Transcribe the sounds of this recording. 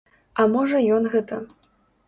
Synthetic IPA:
ɐmɔʐɐjɔnɣɛt̪ɐ

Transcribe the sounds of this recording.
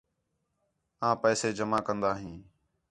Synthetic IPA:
ãːpɛːseːd͡ʒəmaːkənd̪aːɦĩː

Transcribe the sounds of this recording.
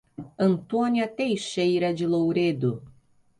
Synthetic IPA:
ɐ̃nt̪õniɐt̪ejʃejɾɐd͡ʒɪlowɾed̪ʊ

